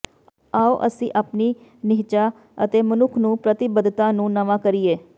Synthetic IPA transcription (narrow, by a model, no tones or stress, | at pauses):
aːoːʔəsĩːʔaːpniː | nɪɦt͡ʃaː | ət̪eːmənʊkʰnũːpɾət̪ɪbəd̪t̪ãːnũːnəʋãːkəɾieː